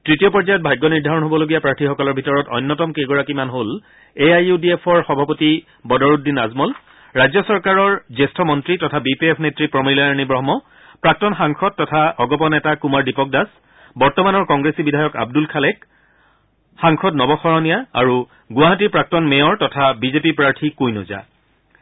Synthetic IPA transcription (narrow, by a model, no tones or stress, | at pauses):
tɹitijɔpɔɹzajɔt̚bʱajɡːɔniɹdʱaɹɔnɦobɔloɡijapɹaɹtʰixɔkɔlɔɹbʱitɔɹɔtɔ̰jnːɔtɔmkeɡɔɹakimanɦol | eajudiepʰɔɹxɔbʱapoti | bɔdɔɹutdinazmɔl | ɹajzɔsɔɹkaɹɔɹzestʰɔmɔntɹitɔtʰabipiɛpʰnetɹipɹɔmilaaɹnibɹɔɦmɔ | pɹak̚tɔnxaŋxʰɔd̚tːɔtʰaʔɔɡɔpɔnɛtakumaɹdipɔk̚das | bɔɹtɔmanɔɹkɔŋɡɹesibidʱajɔka̰bdulkʰalɛk | xaŋxʰɔdnɔbɔxɔɹɔnijaa̰ɹu | ɡʊaɦatiɹpɹak̚tɔnmɛɔɹtɔtʰabizepipɹaɹtʰikojno̰za̰